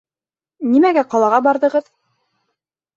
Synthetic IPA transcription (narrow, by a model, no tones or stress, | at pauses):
nimæɡæqɑlˠɑʁɑbɑɾðɤ̆ʁɤð